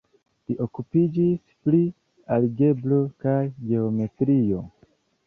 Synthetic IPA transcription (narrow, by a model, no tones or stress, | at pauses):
liʔo̞kupid͡ʒis | pli | aliɡe̞blo̞kajɡe̞o̞me̞tɾio̞̰